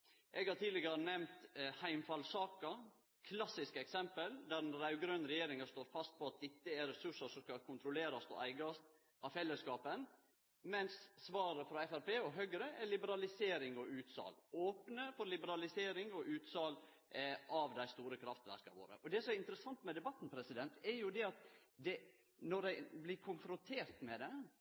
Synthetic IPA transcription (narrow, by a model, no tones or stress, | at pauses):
ʔɛɡhɑɾʈ̪ʰiːlɪɡəɾənɛmnt̪hæɪmfɑlsɑːkə | kʰlɑsːɪskəɛksɛmpəld̪æɖɛnɾɑʉɡɾønɾɛjeːɾɪŋɑst̪oːɾfɑst̪̚pʰɔɑt̪̚d̪ɪt̪ːəɛɾɛsʉʂəʂɔmskɑkʰʊnt̪ɾʊleːɾɑst̪ɔ̰ʔæɪɡɑst̪ | ɑfɛlːəskɑːpən | mɛnsːʋɑːɾəfɾɑɛfæɾpeːɔɦœɡɾəʔɛlɪbəɾɑlɪseːɾɪŋɔʔʉːt̪sɑ̰ːloːpnəfɔɾlɪbəɾɑlɪseːɾɪŋɔʔʉːt̪sɑːl | ʔɑʋd̪æɪst̪uːɾəkʰɾɑft̪ʋæ̰ɾkɑʋo̰ːɾə̰ʔɔd̪ɛsɔmɛɾɪnt̪əɾəsɑnt̪mɛd̪ɛbɑt̪ːn̩pʰɾɛsɪd̪ɛnt̪ɛɾjʊd̪ɛɑt̪d̪ɛ | nɔɖæɪblɪkʰʊnfɾʊnt̪ʰeːɾt̪mɛd̪ɛ